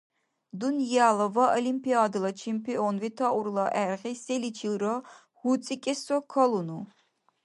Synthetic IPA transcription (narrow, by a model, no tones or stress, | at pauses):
d̪unjalɐvaʔɔlimpʰiad̪ɨlɐt͡ʃʰimpʰiɔnvit̪ʰaʔuɾlˠaʔɛɾʁisɛlit͡ʃʰilɾɔ | hut͡sʼikʼɛsɔkʰɔlunu